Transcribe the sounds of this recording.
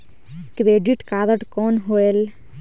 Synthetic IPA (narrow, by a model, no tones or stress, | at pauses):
kɾeɖiʈkad̪əʈkɔːnɦoel